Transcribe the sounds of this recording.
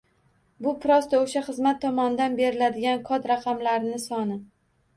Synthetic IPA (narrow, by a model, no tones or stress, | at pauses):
bʊpʰɾɒst̪aoʃaχɨzmat̪ʰːɒmɒnɪd̪anbe̞ɾɪlad̪ɪɡʲankʰɒt̪ɾaqʰɑmlaɾɪnɪsɒnɪ